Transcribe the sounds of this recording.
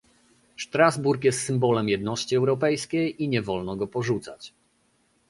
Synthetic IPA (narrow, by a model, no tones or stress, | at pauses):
ʂt̪ɾazbuɾkjɛst̪sɘmbɔlɛmjɛd̪nɔɕt͡ɕiɛwɾɔpɛjskʲejiɲɛvɔlnɔɡɔpɔʐut̪sa̰t͡ɕ